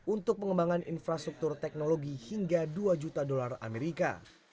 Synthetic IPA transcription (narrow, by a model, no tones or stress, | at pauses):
unt̪ʊk̚pəŋəmbaŋanḭnfɾast̪ɾuk̚t̪ʊrt̪ɛk̚noloɡihiŋɡaduad͡ʒut̪adolara̰meɾika̰